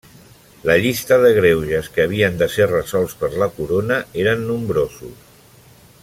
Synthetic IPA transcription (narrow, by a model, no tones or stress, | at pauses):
ləʎist̪əðəɣ̞ɾewʒəskəːβ̞iənd̪əserəzɔlˠspəɾləkuɾonəeɾənːumbɾozṵs